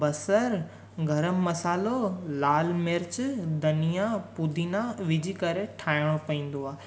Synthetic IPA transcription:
bɐsəɾ | ɡʱɐɾəmːɐsaːlolaːlmeɾt͡ɕd̪ɐnijapʊd̪ʱinãʋɪd͡ʑʱikɐɾeʈʰaːɪɽ̃opɐĩːn̆d̪oaː

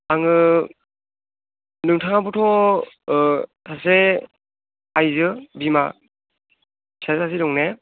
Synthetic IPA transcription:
aŋɯ | nɯŋtʰaŋabutʰɔ | tʰase | ajzɯbima̰ | sʰaɾtʰas̬eɾɔŋne

